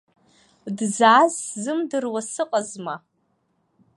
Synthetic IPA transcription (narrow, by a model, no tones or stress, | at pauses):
dzaːzzɨmdɨrwasɨqʼazma